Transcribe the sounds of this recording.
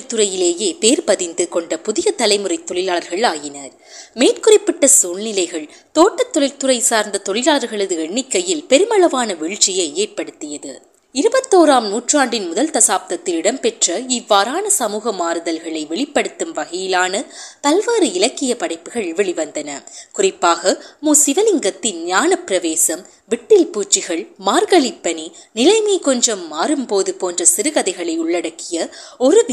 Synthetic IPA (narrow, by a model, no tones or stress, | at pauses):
t̪ɯɾɐjɪleːjeːpeːɾpɐðɪnd̪ɯkɔɳɖɐpʊðɪjɐt̪ɐlɐɪmɯrɐɪt̪ːɔɭɪlaːlɐɾɣɐɭaːjɪnɐɾ | meːrkʊrɪpːɪʈːɐsuːlnɪlɐɪɣɐɭ | t̪oːʈːɐt̪ːɔɻɐɪlt̪ɯrɐɪsaːɾnd̪ɐt̪ɔɭɪlaːɭɐɾɣɐɭɯðɯɛɳːɪkːɐjɪlpɛɾɯmɐɭɐʋaːnɐʋɛɻʈt͡ʃɪjɐɪeːrpɐɽɯt̪ːɪjɐðɯ̰ | ɪɾɯbɐt̪ːoːɾaːmnuːʈraːɳɖɪnmʊðɐlt̪ɐsaːp̚t̪ɐt̪ːɪlɪɽɐmpɛʈrɐɪʋːaːɾaːnɐsɐmuːɣɐmaːɾɯðɐlɣɐɭɐɪʋɛɭɪpːɐɽɯt̪ːɯmʋɐɣɐjɪlaːnɐpɐlʋaːɾɯɪlɐkːɪjɐpɐɽɐɪpːɯɣɐɭʋɛɭɪʋɐnd̪ɐnɐkʊrɪpːaːɣɐmuːsɪʋɐlɪŋɡɐt̪ːɪnɲaːnɐpːɪɾɐʋeːsɐm | ʋɪʈːɪlpuːt͡ʃːɪɣɐɭmaːɾɣɐɭɪpːɐninɪlɐɪmeːkɔɲd͡ʒɐmːaːɾɯmpoːðɯpoːndrɐsɪɾɯɣɐðɐɪɣɐɭɐɪʊɭːɐɽɐkːɪjɐɔɾɯ